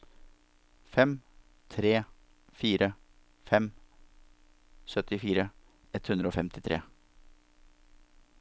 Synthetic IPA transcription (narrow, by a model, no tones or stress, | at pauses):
fɛm | t̪ʰɾeː | fiːɾə | fɛm | sœt̪ɪfiːɾə | ɛt̪hʉnd̪ɾəoːfɛmt̪ɪt̪ʰɾḛː